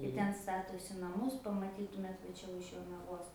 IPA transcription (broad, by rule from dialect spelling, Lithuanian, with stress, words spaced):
ɪ ˈtʲɛn ˈstɑːtoːsʲɪ nɐˈmʊs pɐmɐˈtʲiːtʊmʲeːt ʋɐ ˈt͡ʃʲɛ ʊʃ joːnɐˈʋoːs